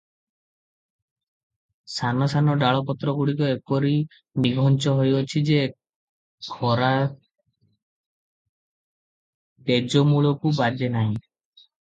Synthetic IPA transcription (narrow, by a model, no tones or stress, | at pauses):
sanɔsanɔɖaɭɔpɔt̪ɾɔɡuɽikɔepɔɾi | niɡʱɔnt͡ʃɔɦojɔt͡ʃʰid͡ʒe | ɡʰʱɔɾa | t̪ed͡ʒɔmuɭɔkubad͡ʒenaɦĩ